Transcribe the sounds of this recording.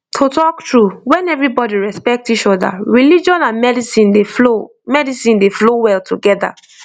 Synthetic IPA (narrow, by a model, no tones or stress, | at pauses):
tʰotɔktɹuwɛ̃nɛvɹibɔdiɹɛspɛk̚tit͡ʃɔda̰ɹilid͡ʒɔ̃nãnmɛdisĩndeo | mɛdisĩndeflowɛltʰuɡɛda̰